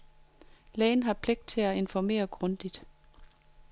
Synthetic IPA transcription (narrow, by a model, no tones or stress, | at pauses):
lɛːn̩ɦɑ̈pʰleɡ̥̚d̥̚t͡sʰe̝æe̝nfɒme̝̰ːɐɡ̥ʁɔ̽nd̥id̥